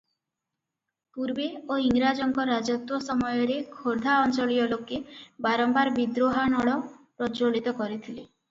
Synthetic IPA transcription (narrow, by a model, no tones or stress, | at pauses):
puɾbeoiŋɾad͡ʒɔŋkɔɾad͡ʒɔt̪wɔsɔmɔjɔɾekʰoɾd̪ʱaɔnt͡ʃɔɭijɔlokːebaɾɔmbaɾbid̪ɾoɦanɔɽɔpɾɔt͡ʃoɭit̪ɔkɔɾit̪ʰile